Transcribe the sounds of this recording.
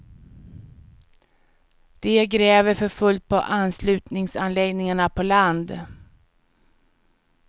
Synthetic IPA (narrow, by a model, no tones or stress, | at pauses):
d̪̥ɛɡɾɛːvəɾfœɾfɵlt̪̚pʰɔ̰ʔanslʉ̟ːt̪nɪŋsanlɛɡnɪŋaɳapʰɔland̪